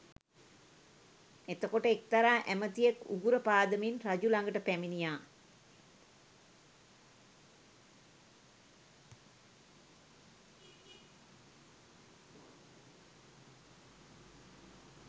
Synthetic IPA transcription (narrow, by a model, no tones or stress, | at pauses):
et̪əkoʈəek̚t̪aɾaːʔæmət̪ijekuɡuɾəpaːd̪əminrad͡ʒulaŋɡəʈəpæminijaː